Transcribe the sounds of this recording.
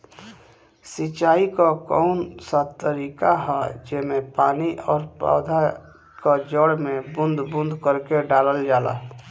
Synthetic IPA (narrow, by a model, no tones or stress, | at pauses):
sɪt͡ʃaːikakɔːʊnsat̪ːəɾiːkaɦɛd͡ʒɪmẽpaːniʔɔːɾpa̰ːd̪ʱa | kad͡ʒɔɽmẽbʊ̃nd̪bʊ̃nd̪ʱkəɾkeɖaːləld͡ʒaːla̰